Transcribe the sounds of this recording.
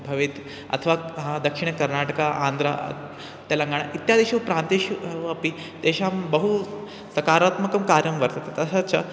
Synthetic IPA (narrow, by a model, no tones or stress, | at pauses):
bʱɐʋit̪ | ɐ̰t̪ʰəʋad̪ɐkʂiɳ̃kɐɾnaʈəkaʔaːnd̪ɾa̰ | t̪jalaŋɡʱaɳ̃aʔit̪ːjad̪eʃiʋpɾãnt̪eɕɐpi | t̪eɕambəɦu | sɐkaːɾaːt̪mɐkɐmkaːɾjɐmʋɐɾt̪at̪et̪ɐsat͡ɕʰa̰